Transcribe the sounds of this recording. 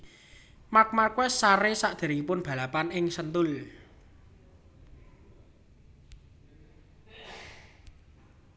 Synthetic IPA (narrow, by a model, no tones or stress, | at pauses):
mak̚makwɛsaɾesaʔd̪̥e̤ɾŋipʊnb̥a̤lapanɪŋsənt̪ʊl